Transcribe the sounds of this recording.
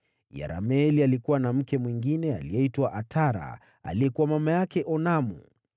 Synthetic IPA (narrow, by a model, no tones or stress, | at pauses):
ja̰ɾa̰mɛlialikuwanam̩kɛmwiŋɡinɛa̰lijɛitwaʔatʰaɾa̰ | a̰liɛkuwamamajakɛʔɔnamṵ